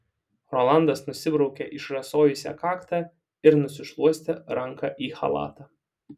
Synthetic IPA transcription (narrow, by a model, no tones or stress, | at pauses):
ɾɔlˠɑˑnd̪ɐsnʊsʲɪbɾɒʊkʲɛʔɪʃɾɐsoːjʊsʲɛ̰kɑːkt̪ɑ | ɪɾnʊsʲɪʃlˠuɔsʲt̪ʲɛɾɐŋkɑʔiːxɐ̰lˠɑ̰ːt̪ɑː